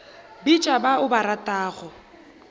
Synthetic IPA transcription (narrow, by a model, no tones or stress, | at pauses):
bit͡ʃʼabaʊbaɾatʼaːɣɔ